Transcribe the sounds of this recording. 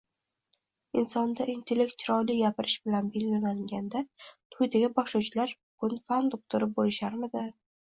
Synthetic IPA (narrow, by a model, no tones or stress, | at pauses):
ɪnsɒnd̪aint̪ʰe̞le̞k̚t̪̚t͡ʃʰɪɾɒjlɪɡʲapɪɾɪʃbɪlanbɪlːɪlaŋɡʲand̪at̪ʰʊjd̪aɡʲɪbɒχʃut͡ʃʰɪlaɾ | kʊnfand̪ʊk̚t̪ʰʊɾɪbolɪʃaɾmɪd̪ɪ